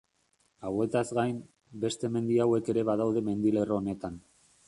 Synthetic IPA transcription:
awe̞t̪azɣajm | be̞st̪e̞me̞nd̪iawe̞ke̞ɾe̞βað̞awðe̞me̞nd̪ile̞roone̞t̪an

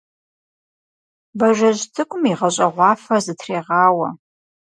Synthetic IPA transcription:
bɐʒʷɐʑtʰɨkʷʼʊmiʁɐɕʼɐʁʷɑːfɐzɨtʰreːʁɑːwɐ̰

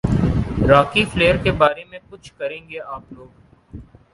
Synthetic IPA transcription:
ɾaːkifleːəɾkebaːɾemẽkʊt͡ʃʰkɐɾẽːŋɡeaːploːɡ

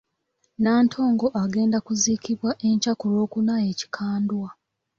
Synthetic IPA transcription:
naːntʰo̞ːŋɡo̞ʔaɡe̞ːndakuziːkiβwaʔe̞ɲcakulo̞ːkunaje̞ːci̥kʰaːndwa

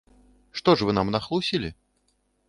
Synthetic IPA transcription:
ʂt̪ɔʂvɨnamnɐxlˠusʲilʲi

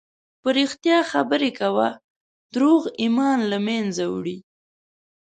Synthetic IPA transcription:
pəɾixt̪jɑxabəɾekawa | d̪̥ɾoɣimɑnlamenzawɽi

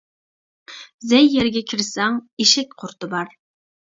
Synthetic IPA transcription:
zɛjːɛɾɡʲɛkʲʰiɾɪsɛŋeʃɛk̚ʲqʰʊɾt̪ɨbɑɾ

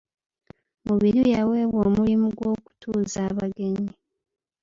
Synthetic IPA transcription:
muβiɾijawe̞ːβwoːmulimuɡwo̞ːku̥tʰuːzaːβaɡe̞ɲi

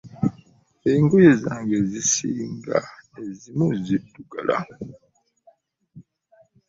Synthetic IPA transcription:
eŋɡojezaːŋɡezisiːŋɡa̰nezimuzituɡalʔa̰

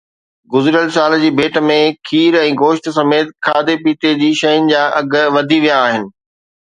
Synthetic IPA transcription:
ɡʊzɪɾjəlsaːld͡ʑiːbʱeːʈə̆mẽkʰiːɾɛ̃ːɡoːʃt̪sɐmeːt̪kʰaːd̪epiːt̪ed͡ʑiːʃɐjʊnɪ̆d͡ʑaːʔɐɡʋɐd̪ʱiʋijaːɦɪnɪ̆

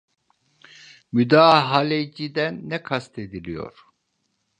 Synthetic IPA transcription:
myd̪aːɦalʲed͡ʒid̪ænːɛkʰast̪ʰed̪ilʲijo̰ɾ̥

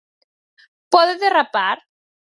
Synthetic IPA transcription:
pɔðeðerapaɾ

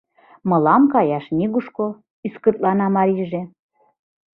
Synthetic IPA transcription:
mɤ̆lɑmkɑjɑʃnʲiɣuʃko | yskət̪̚lɑnɑmɑɾiʒe

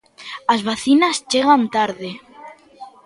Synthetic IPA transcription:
azβaθinast͡ʃeɣ̞ant̪aɾðe

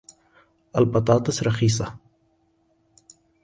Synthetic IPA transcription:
ɐlpɐt̪ɑːt̪ɐsɾɐxiːsa̰

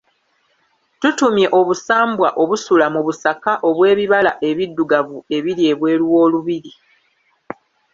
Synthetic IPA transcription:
tutumje̞ʔo̞βusaːmbwaʔo̞βusulamuβusakaʔo̞βwe̞ːβiβalaʔe̞βidːuɡavue̞βiɾie̞ːβwe̞ːɾuwo̞ːluβiɾi

